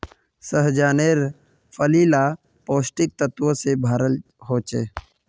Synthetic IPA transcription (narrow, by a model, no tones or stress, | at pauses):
səɦd͡ʒaːneːɾ | pʰəliːla | poːsʈɪk̚t̪ət̪ʋəsebʱaːɾəlɦoːt͡ʃeː